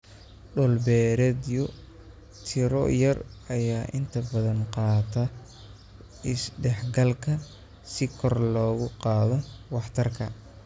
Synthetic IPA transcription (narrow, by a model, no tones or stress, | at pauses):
ɖʊlbɛːɾɛd̪jɔ | t̪ʰɪɾɔ̰jɐrɐjaːʔɪnt̪ʰɐbɐðɐnqɑːt̪ʰɐ | ɪsɖɛħɡɐlkʰɐ | sɪkʰɔrlɔːɣʊqɑːðɔwɑħt̪ʰɐrkʰɐ̰